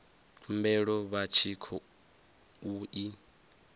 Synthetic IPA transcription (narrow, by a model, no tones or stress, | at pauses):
tʰumbɛɺɔβat͡ʃʰikʰɔ | uʔi